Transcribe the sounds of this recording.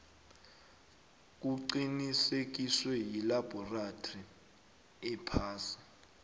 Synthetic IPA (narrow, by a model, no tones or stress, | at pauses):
k̬ʼuǃinisek̬iswɛjilab̥ʱɔratʰʼri | ɛpʰaːsi̥